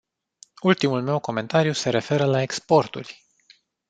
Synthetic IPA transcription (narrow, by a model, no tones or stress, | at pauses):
ult̪imulme̞wko̞me̞nt̪aɾijuse̞ɾe̞fe̞ɾəlaekspo̞rt̪ṵlʲ